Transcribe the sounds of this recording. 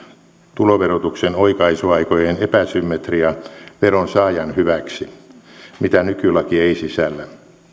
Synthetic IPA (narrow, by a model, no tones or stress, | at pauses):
t̪uloʋerot̪uksenoikɑisuɑikojenepæsymːet̪riɑʋeronsɑːjɑnhyʋæksi | mit̪ænykylɑkieisisælːæ